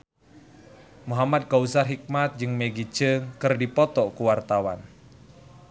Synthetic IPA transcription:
muɦamad̪̚kausaɦik̚mat̪̚d͡ʒɨŋmeɡit͡ʃəŋkɨrdipɔt̪ɔkuwart̪awan

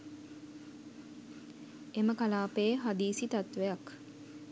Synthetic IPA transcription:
eməkalaːpeːɦad̪iːsit̪at̪ʋejak

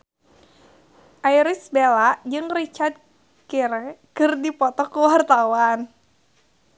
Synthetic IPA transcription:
ʔajɾisbelaʔd͡ʒɨŋrit͡ʃard̪̚ | kiɾɛkɨrdipɔt̪ɔkuwart̪awan

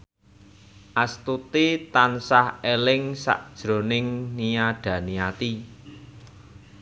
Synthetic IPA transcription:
ʔast̪ut̪it̪ansahelɪŋsa̰ʔd̥ʒ̥ɾo̤nɪŋnijaɖ̥ä̤niat̪i

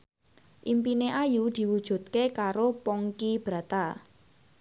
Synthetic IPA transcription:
ʔimpineʔajud̪̥i̤wud̥ʒ̥ṳt̪̚kekaɾopɔŋkib̥ɾa̤t̪a

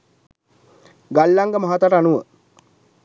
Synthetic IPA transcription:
ɡalːaŋɡəmaɦat̪aʈəanuʋə

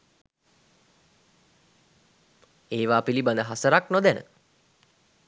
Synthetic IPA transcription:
eːʋaːpiliband̪əɦasəɾaknod̪ænə̰

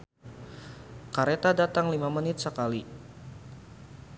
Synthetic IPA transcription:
kaɾet̪adat̪aŋlimamənɪt̪̚səkali

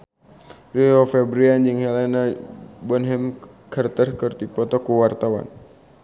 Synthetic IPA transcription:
riɔfɛbɾiand͡ʒɨŋhɛlɛnabɔnɦɛm | kərt̪ərkɨrt̪ipɔt̪ɔkuwart̪awa̰n

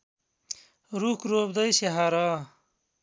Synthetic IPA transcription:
ɾukɾoːbd̪ɐjɕeɦaɾaː

